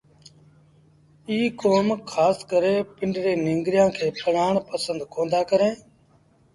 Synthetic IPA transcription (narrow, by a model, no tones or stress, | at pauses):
iːkoːmkʰaːskəɾeːpɪɳɖɾeːnɪ̃ŋɡɾɪjãːkʰeːpʰəɽaːɳpəsənd̪kõːnd̪aːkəɾẽː